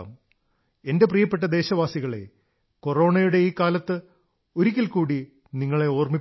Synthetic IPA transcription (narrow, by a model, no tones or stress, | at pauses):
m | e̞nde̞prijɐpːe̞ʈ̬ːɐd̪e̞ːɕɐʋaːsiɣɐɭḛ | ko̞ro̞ːɳɐjuɽe̞iːkːaːlɐt̪ːɨ | o̞ɾik̬ʲːilkuːɽi | niŋːɐɭe̞oːrmip